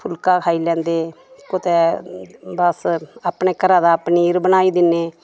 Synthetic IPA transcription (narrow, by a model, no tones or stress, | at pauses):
pʰʊlkaːkʰaːiːlɛ̃ːnd̪eː | kʊt̪eː | bəsaːpneːkəɾaːd̪aːpniːɪɾbənaːiːd̪ɪnːeː